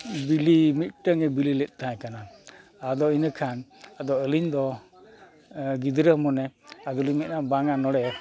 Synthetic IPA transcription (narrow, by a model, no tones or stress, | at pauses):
bilimit̪̚ʈəŋɛbililɛt̪̚ˀt̪ãjkana | ad̪ɔinəkʰanad̪ɔəliɲd̪ɔ | ɡid̪ɾəmɔnɛad̪ɔlimɛt̪̚nabaŋanɔɽɛ